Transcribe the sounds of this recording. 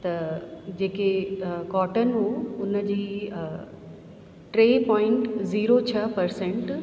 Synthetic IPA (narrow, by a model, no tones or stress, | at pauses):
t̪ɐd͡ʑeːkekɔːʈənɦuːʊnəd͡ʑiː | ʈɾeːpɔ̃ːɪ̃ɳʈziːɾot͡ɕʰɐpɐɾsẽɳʈ